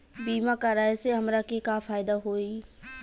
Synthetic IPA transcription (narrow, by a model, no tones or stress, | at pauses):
biːmakaɾaːeseɦɐmɾakekafaːɪd̪aɦoːi